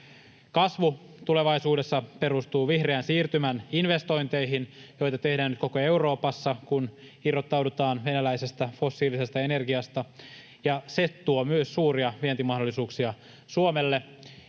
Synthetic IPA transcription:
kɑsʋu | t̪ule̞ʋɑisuːde̞sːɑpe̞ɾust̪uːʋihreæːnsiːrt̪ymæninʋe̞st̪o̞jnt̪e̞jɦinjo̞jt̪ɑt̪e̞hdæːnyt̪kokoe̞uɾo̞ːpɑsːɑkun | irot̪ːɑwdut̪ɑːnʋe̞nælæjse̞st̪æfo̞sːiːlise̞st̪ɑene̞rɡiɑst̪ɑ | jɑse̞t̪t̪ːuomyøsːuːriɑʋient̪imɑɦdolːisuːksiɑ | suomelːe̞

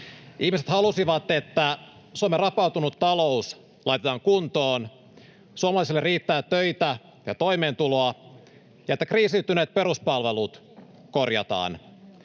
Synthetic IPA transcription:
ʔihmiset̪hɑlusiʋɑt̪e̞t̪ːæ | suɑmerɑpɑwt̪unut̪ːɑlo̞us | lɑjt̪et̪ɑːŋkunt̪oːn | suoɑmɑlɑˑisilːeriːt̪ːæːt̪øjt̪æ | jɑt̪o̞jmeːnt̪ulo̞ɑ | jɑet̪ːækriːsit̪ːyneːt̪̚pe̞ɾuspɑlʋe̞lut̪ | korjɑ̰t̪ɑ̰ːn

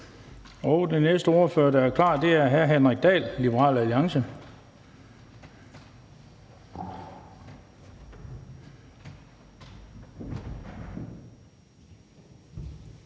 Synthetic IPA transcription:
ɒ̽ʊd̥enesd̥əɔɐføɐdææɐkʰlɑ̰̈ːdd̥e̝æɐɦæɦænʁɛɡ̥̚d̥ɛ̰ːlːib̥əʁɑ̰̈ːlæliɑ̈ŋsə

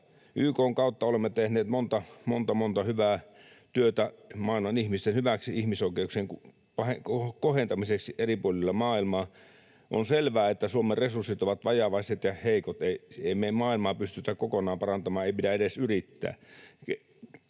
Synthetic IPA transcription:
ʔyːkoːŋkɑˑut̪ːɑolemːet̪ehneːt̪mont̪ɑmont̪ɑmont̪ɑhyʋæː | t̪yøt̪æmɑːilmɑnihmist̪enhyʋæksiihmisoˑikeukseːŋku | pɑheokohent̪ɑmiseksiʔeripuolilːɑmɑːilmɑː | ʔo̰nselʋæːet̪ːæsuomerresursːit̪oʋɑt̪ʋɑjɑʋɑiset̪jɑheˑikot̪eieˑimeˑimɑːilmɑːpyst̪yt̪ækokonɑːmpɑrɑnt̪ɑmɑːeˑipidæeɾesyrit̪ːæ̰ːke

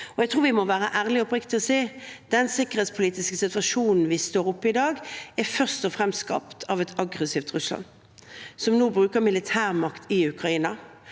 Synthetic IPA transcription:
ɔɛɡt̪ʰʁuːɾʋɪmɔʋæːʁəʔæːʁlɪɔpʁɪkt̪ɪɔseːd̪̥ɛnsɪkːəʁheːt̪spʰʊliːt̪ɪskəsɪt̪ʋɑʂuːnn̩ʋɪst̪oːɾʊpːəɪd̪ɑːɡæfœʁst̪ɔfʁɛmst̪skɑ̰pt̪ʰɑːʋɛt̪ʰɑɡʁɛsiːft̪ʁʉslɑ̰n | sɔmnuːbɾʉːkəmɪlɪt̪ʰæːʁmɑkt̪ʰɪʉkʁɑiːnɑ

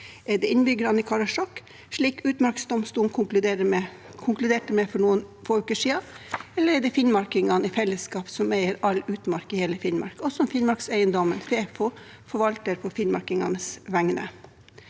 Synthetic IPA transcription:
ɛɖɛɪnbʏɡəɾɑnɪkʰɑɾɑʂɔkː | ʂɭiːkʉːt̪mɑɾksd̪ɔmst̪uːnkʰʊklʉd̪eɾə | kʰʊŋklʉd̪eːʈəmɛfɔɳuːənfoːʉːkəʂiːɑɛlːəɾɛɖɛfɪnmɑɾkɪŋɑnɪfɛlːəskɑːpsɔmæɪəɾɑlʉːt̪mɑɾkɪheːləfɪnmɑ̰ɾkɔsɔmfɪnmɑɾksæɪənd̪ɔmənfeːfɔ | fɔɾʋɑlt̪əɾpʰɔfɪnmɑ̰ɾkɪŋɑ̰nəsʋæŋnə̰

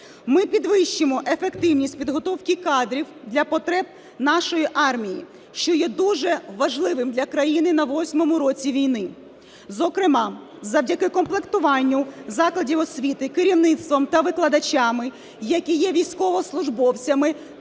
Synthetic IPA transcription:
mɪpʲid̪ʋɪʃt͡ʃɪmɔʔefekt̪ɪwnʲisʲtʲpʲid̪ɦɔt̪ɔwkʲɪkɑd̪ɾʲiwd̪lʲɐpɔt̪ɾɛb̚ | n̪ɑʃɔjiʔɑrmʲiji | ʃt͡ʃɔjɛd̪uʒɛʋɐʒlˠɪʋɪmd̪lʲɐkɾɐjinɪnɐʋɔsʲmɔmʊɾɔt͡sʲiʋʲijnɪ | zɔkɾɪmɑ | zɐwdʲɐkɪkɔmplˠekt̪ʊʋɑnʲːʊzɑklˠɐdʲiwɔsʲʋʲit̪ɪkɪɾʲiwnɪt̪st̪ʋɔmt̪ɐʋɪklˠɐd̪ɐt͡ʃʲɑmɪ | jɐkʲijɛʋʲijsʲkɔʋɔslˠʊʒbɔwt͡sʲɐmɪ

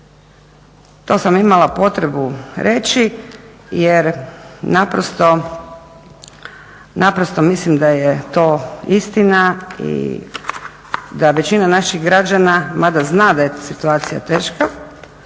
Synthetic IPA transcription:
t̪o̞samimalˠapo̞t̪ɾebuɾʔe̞t͡ʃijeɾnapɾost̪o̞ | napɾost̪o̞mislimd̪ajet̪o̞ːist̪inaḭ | d̪aʋe̞t͡ɕinanaʃiɣɡɾad͡ʒanamad̪aznad̪ajetsit̪uaːt̪sija̰t̪eːʃka

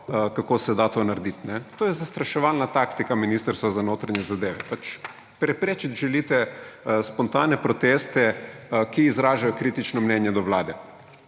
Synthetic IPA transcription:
kakoːsɛd̪at̪oːnaɾd̪it̪nɛt̪oːjɛzast̪ɾaʃɛʋalnat̪akt̪ikaminist̪əɾst̪ʋazanoːt̪ɾaɲjɛzad̪eːʋɛpat͡ʃ | pɾɛpɾeːt͡ʃit̪ʒɛlit̪ɛspɔnt̪aːnɛpɾɔt̪eːst̪ɛkiːzɾaːʒajɔkɾit̪it͡ʃnɔmnɛnjɛd̪ɔʋlaːd̪ɛ

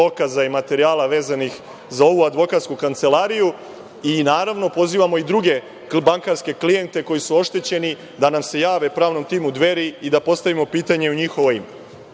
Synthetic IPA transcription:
okazaimat̪e̞ɾiaːlˠaʋe̞ːzanix | zao̞ʋuad̪ʋo̞kat̪skukant̪se̞laːɾiju | inaːɾaʋno̞po̞ziːʋamo̞id̪ɾuɡe̞ | baŋkaɾske̞klije̞nt̪e̞ko̞jisuo̞ʃt̪e̞t͡ɕe̞ni | d̪anamse̞jaːʋe̞pɾaːʋno̞mt̪iːmud̪ʋe̞ɾiːd̪apo̞st̪aʋimo̞piːt̪aɲe̞uɲixoʋoim

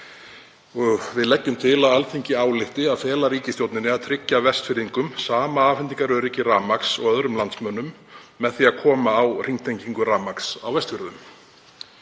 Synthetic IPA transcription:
vɪðlɛcːʏmt̪ʰɪlaðalθiɲcɪaːwlɪht̪ɪaðfɛːlaɾiːcɪst̪jowt̪nɪnɪaðt̪ʰɾɪcːavɛst̪fɪɾiŋkʏmsaːmaaːfɛnt̪iŋkaɾœɾicɪɾraːmaksɔ̰ɣœðɾʏmlant̪smœnːʏmː | ɛðθiakʰɔːmaːwriŋt̪ʰejɲciŋkʏɾaːmaksa̰wvɛst̪fʏɾðʏm

